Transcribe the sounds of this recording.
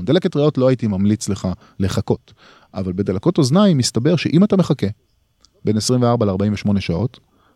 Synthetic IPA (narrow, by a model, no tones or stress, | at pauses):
d̪elaketʁeo̞tlo̞ajitimamlit͡sle̞χa | le̞χako̞t | ʔavalbedelako̞to̞znaimistabe̞ʁʃeʔimatame̞χake̞ | be̞nesʁimveaʁbaleaʁbaimveʃmo̞ne̞ʃao̞t